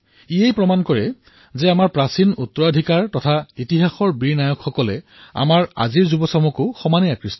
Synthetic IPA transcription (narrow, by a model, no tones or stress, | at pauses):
iejpɹɔmankɔɹɛ | zɛamaɹpɹasinutːɔadʱikaɹtɔtʰaitiɦaxɔɹbiɹnajɔkxɔkɔlɛ | a̰maɹa̰ziɹzubɔsɔmukʊxɔmaniakɹistɔ